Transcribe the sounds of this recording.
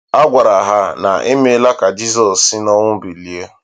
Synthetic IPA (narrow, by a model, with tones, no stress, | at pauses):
a˦ɡʷa˨ɾa˨ɦa˦na̰˨i˦me˦la˦ka˨d͡ʒi˦zɔː˨i˦nɔ˦ŋʊ˦bi˨li˨e˦